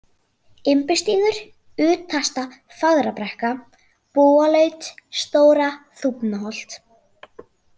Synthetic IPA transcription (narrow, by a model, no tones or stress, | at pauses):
ɪmpɪst̪iːðʏɾ̥ | ʏːt̪ʰːast̪a | faðɾapɾɛhka | poːalœːɥt̪st̪oːwɾaθupnaɦɔl̥t̪